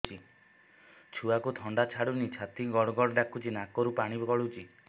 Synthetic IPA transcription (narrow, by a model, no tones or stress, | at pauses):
t͡ʃʰi | t͡ʃʰuakut̪ʰɔɳɖat͡ʃʰaɽunit͡ʃʰat̪iɡɔɽɔɡɔɽɔɖakʰut͡ʃʰinakɔɾupaɽ̃ibkɔɭut͡ʃi